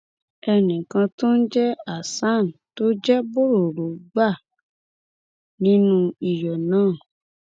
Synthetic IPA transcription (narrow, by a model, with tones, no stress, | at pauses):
ɛ˧nĩ˨kã˧to˦n̩˦d͡ʒɛ˦a˦˨sa˦˨n˨to˦d͡ʒɛ˦bo˦ɾo˨ɾo˨˦ɡ͡ba˦˨ | nĩ˨˦nũ˦i˨jɔ˨nãː˦˨